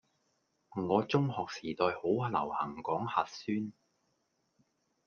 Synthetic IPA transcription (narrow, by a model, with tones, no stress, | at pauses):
ŋɔː˨˧t͡sʊ˥ŋɦɔː˨k̚siː˨˩t̪ɔː˧jho˨˥wlɐ̰˨˩whɐ̰˨˩ŋkɔː˨˥ŋhaː˨t̚syː˥n